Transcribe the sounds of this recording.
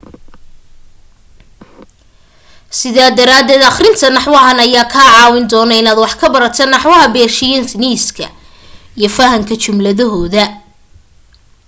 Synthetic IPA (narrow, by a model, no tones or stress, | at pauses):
sɪðaːd̪ɐɾaːd̪ɛːd̪ɑχrɪnt̪ʰɐnɑħwɐɦɐnɐjaːkʰaːʕɑːwɪnd̪ɔːnɐɪnaːd̪wɑħkʰɐbɐɾɐt̪ʰɛnɑħwɐɦɐbɛːrʃɪjɐnt̪niːskʰɐ̰ | ijɞfɐɦɐŋkʰɐt͡ʃʊmlɐðɐɦɔːðɐ